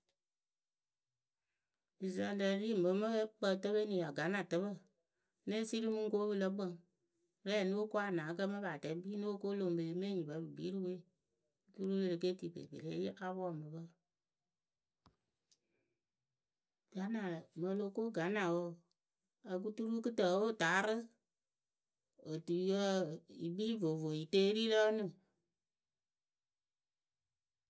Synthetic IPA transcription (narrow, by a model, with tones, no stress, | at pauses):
i˨za˧˨də˧˨˦ɾi˦˨mbə˨˦mə˦e˦k͡pə˧˦tə˦be˦nĩ˨a˨ɡa˨˦nã˨tə˦βə˦ | ne˦si˦ɾi˦mũ˦ŋ˦ko˦bɨ˧lə˦k͡pə˦˨ŋ˦ | ɾɛ˦˨nu˦o˦ko˦a˦˨nãː˨˦kə˦mə˦ba˨tɛ˨˦biː˦nu˦wo˦ko˦lo˧˨ŋ˨be˨e˨˦mẽ˦˨ɲĩ˨bə˨˦bɨ˨biː˨˦ɾi˦we˦˨˦ | tu˦ɾu˦le˧ɾe˨ke˦ti˨bḛ˨bḛ˨ɾe˦je˦ʔa˦bmə˨˦bə˦ | ɡ̥a˨˦na˨lə˨mə˧lo˧ko˦ɡa˨˦na˨wo˦˨ | a˨k̬u˦tu˦ɾu˦kɨ˦tə˨wo˦˨ta˨˦ɾɨ˦ | o˨tu˨˦jə˦˨i˨bi˦vo˨vo˨i˨te˦ɾi˦lɔ˦nɨ̃˦˨